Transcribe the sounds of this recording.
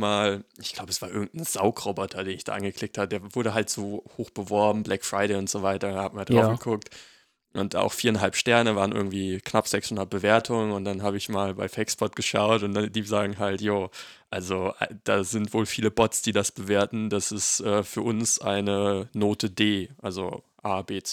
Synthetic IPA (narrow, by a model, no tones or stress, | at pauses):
maːlʔɪçɡ̥l̥aʊbəɛsv̥aːɐʔɪɐɡŋ̩tn̩zaʊkʁ̥obɔtʰɐdeːnɪçd̥a̰ːʔanɡəkʰl̥ɪk̚tʰhaːbədeːɐvʊɐɾəɦaltz̥oːhoːxb̥əvɔɐbm̩blɛkfʁ̥aɪɾɛɪʊntz̥ovaɪtɐhaːbəmaːldʁaʊfɡ̥əkʰʊk̚t | ʔʊnta̰ʊxfiːɐɪnɦalpʃtɛɐnəvaːʁnʔɪ̰ɐɡŋ̩tv̥iːknapz̥ɛkshʊndɐt̚b̥əveːɐtʰʊŋənʊnt̚d̥anɦaːbəɪçmaːlbaɪfɛksb̥ɔt̚ɡ̥əʃaʊtʊnd̥adiːzaːɡŋ̩ɦaltjoː | ʔalzoʔad̥aːzɪntv̥oːlfiːləbɔtt͡sd̥iːdasb̥əveːɐtn̩d̥asɪstʔɛːfyːɐʔʊnsʔa̰ɪnənoːtʰədeːʔalzo̰ʔaːbeːt͡s